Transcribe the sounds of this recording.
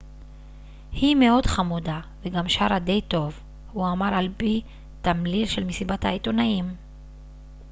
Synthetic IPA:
himeo̞d̪χamudaveɡamʃaʁad̪ejt̪o̞v | huamaʁalpi | t̪amlilʃelmesibathait̪onaim

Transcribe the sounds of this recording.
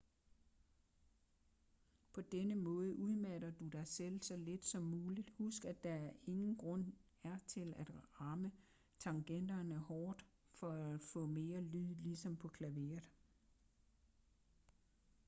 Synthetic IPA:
pʰɒ̽d̥enəmɔ̽ːð̞ˠəʔuð̞ˠmæɾ̥ɐd̥ud̥ɑ̈ɪsel̰sɒ̽le̝d̥sɒ̽mːuːlid̥husɡ̥æd̥ɑ̈æɐe̝ŋn̩ɡ̥ʁɔ̽n̰ | æɐt͡sʰe̝læd̥ʁɑ̈mə | t͡sʰɑ̈ŋɡ̥en̰d̥ɐnəhɒːd̥ | fɒ̽æ̥fɔ̰̽ːme̝ːɐlyðˠlisɒ̽mpʰɒ̽kʰlæʋe̝ɐðˠ

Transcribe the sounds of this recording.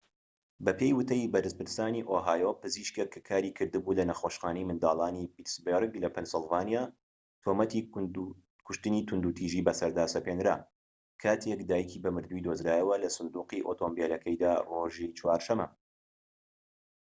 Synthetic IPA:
bɐpʰe̞jwɨt̪ʰɐjibɐɾɨspɨɾst̪aːniʔoːɦaːjopɨziʃkekʰːɨkʰaːɾiːkʰɨɾd̪ɨbuːlɐnɐxoʃχaːnɐjmɨnd̪aːlˠaːnipit̪sbeɾɡlɐpʰɛnsɨlˠvaːnijaː | t̪ʰomɐt̪i | kʰʊʃt̪ɨniːt̪ʰʊnd̪ut̪ʰiʒiːbɐsɐɾd̪aːsɐpeːnɾa̰ː | kʰaːt̪ʰekd̪aːjikʰibɐmɨɾd̪uid̪oːzɾaːjɐwɐlɐsʊnd̪uːqiʔot̪ʰoːmbeːlɐkʰɐjd̪aːroʒit͡ʃʰwaːɾʃɐmɐ̰

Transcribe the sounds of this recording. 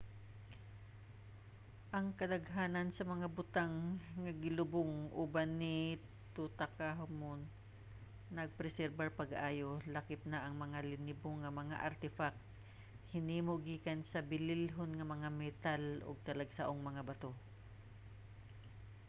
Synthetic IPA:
ʔɐŋkɐd̪ɐɡɦaːnɐnsɐmɐŋabʊt̪aŋːɐɡɪlʊbʊŋʔubanɪ | t̪ut̪akaɦmonː | ɐɡ̚pɾɛsɛɾbaɹpɐɡʔaːjolakɪp̚naʔɐŋmɐŋalɪnɪboŋːɐmɐŋa̰ʔɐɾt̪ɪfak̚t̪ | hɪniːmoʔɡiːkansɐbɪlɪlɦonŋɐmɐŋamɛt̪alʔo̰ɡ̚t̪ɐlɐɡsaʔoŋmɐŋabɐt̪o

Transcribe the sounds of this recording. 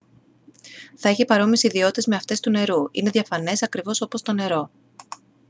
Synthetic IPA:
θɐe̞çipɐɾo̞misiðio̞t̪ezme̞ɐft̪e̞st̪une̞ɾuine̞ðʝɐfɐne̞sɐkɾivo̞so̞po̞st̪o̞ne̞ɾo̞

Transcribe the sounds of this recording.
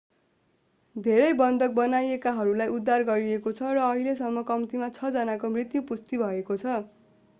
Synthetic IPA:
d̪ʱeɾʌjbʌnd̪ʱʌk̚bʌnajekaɦʌɾulajʔud̪ʱːarɡʌɾiekot͡sʰʌrʌːɦiles̬ʌmːʌkʌmt̪imat͡sʰʌd͡zʌnakomrit̪jupust̪ibʱʌekot͡sʰʌ

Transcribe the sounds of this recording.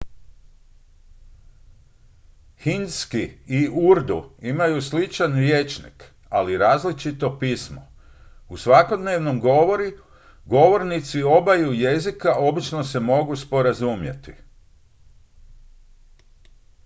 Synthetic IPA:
hinskiiuɾd̪uimajuslit͡ʃanɾjet͡ʃnḭk | aliɾaːzlit͡ʃit̪o̞piːsmo̰ | usʋako̞d̪neːʋno̞mɡoʋo̞ɾi | ɡo̞ʋo̞ɾnit̪sio̞bajuje̞zikaʔo̞bit͡ʃno̞se̞mo̞ɡuspo̞ɾazumjḛt̪i

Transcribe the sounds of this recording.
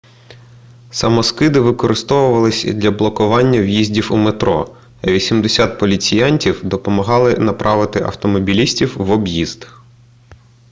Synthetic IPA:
sɐmɔskɪd̪ɪʋɪkɔɾɪst̪ɔʋʊʋɐlˠɪsʲd̪lʲɐblˠɔkʊʋɑnʲːɐwjizʲdʲiwumet̪ɾɔ̰ | ɐʋʲisʲimd̪esʲɑt̪̚pɔlʲit͡sʲijɑnʲtʲiwd̪ɔpɔmɐɦɑlˠɪnɐpɾʔɑʋɪt̪ɪʔɐ̰wt̪ɔmɔbʲilʲisʲtʲiwʋɔbjiz̥d̪

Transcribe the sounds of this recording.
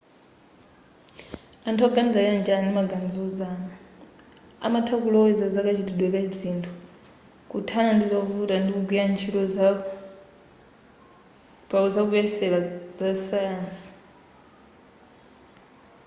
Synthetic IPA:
antʰɔɡanid͡zajand͡ʒanimaɡand͡zɔuzaːna | a̰matʰakulɔizad͡zakat͡ʃʰituɗwɛkazintʰu | kutʰanandizɔvutandikuɡwiant͡ʃʰiɾɔ | pakud͡zak̬uɛsɛlazasajaːnsi̥

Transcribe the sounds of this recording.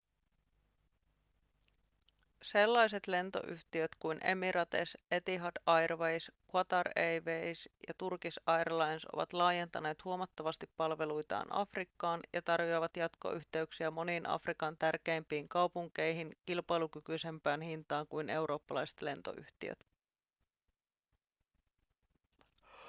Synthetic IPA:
se̞lːɑjs̬et̪le̞nt̪o̞̰ʔy̰ht̪iøt̪kujnʔe̞̰miɾʔɑt̪e̞̰se̞t̪iɦɑdɑjrʋejskwɑt̪ɑrejʋejsjɑ̰t̪urkisɑjrlɑjnsʔo̞̰ʋɑ̰t̪lɑːje̞nt̪ɑne̞ːt̪huomɑt̪ːɑʋɑst̪ipːɑlʋe̞lujt̪ɑ̰ːnʔɑ̰frikːɑːnjɑt̪ɑrjo̞iʋɑt̪jɑt̪ko̰ʔyht̪e̞yksiæmo̞niːnʔɑ̰frikɑnt̪ærk̟e̞ːmpiːŋkɑwpuŋk̟e̞jɦink̟ilpɑjlukykyise̞mpæːnhint̪ɑːŋkujne̞wɾo̞ːpːɑlɑjse̥t̪le̞nt̪o̞̰ʔy̰ht̪ḭø̰t̪

